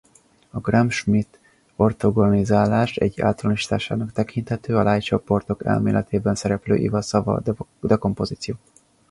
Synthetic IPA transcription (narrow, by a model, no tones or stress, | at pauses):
ɒɡramʃmit̪ | o̞rt̪oɡonizaːlaːʃɛ̰ɟːa̰ːlt̪ɒlɒniʃi̥t̪aːʃaːnɒkt̪ɛkʰint̪hɛt̪øːɒlʔaːjt͡ʃo̞po̞rt̪o̞kɛ̰lmḛːlʔɛ̰t̪ʰeːbɛnsɛɾɛplø̰ːʔḭvɒsɒvɒ̰d̪ɛko̞mpo̞ziːt̪sijoː